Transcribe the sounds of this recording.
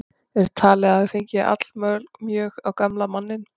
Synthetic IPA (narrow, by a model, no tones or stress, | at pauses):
ɛɾt̪ʰaːlɛɣavɪfeɲcɪʔa̰t̪l̥mœlkmjœːɣawkamlamanːɪn